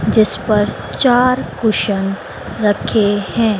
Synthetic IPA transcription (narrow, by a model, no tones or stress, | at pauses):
d͡ʒɪspɐɾ | t͡ʃaːɾkʊʃən | ɾɐkʰehɛ̃ː